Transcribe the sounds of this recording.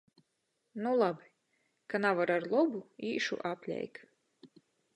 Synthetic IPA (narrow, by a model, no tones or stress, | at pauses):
nulˠabi̥ | kanavaɾaɾlˠubuiːʃṵʔapʲlʲɛ̰jk